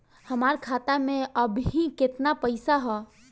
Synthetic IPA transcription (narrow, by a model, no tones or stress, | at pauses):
hɐmaːɾkʰaːt̪amẽəbɦikɪt̪napəɪsaɦɛː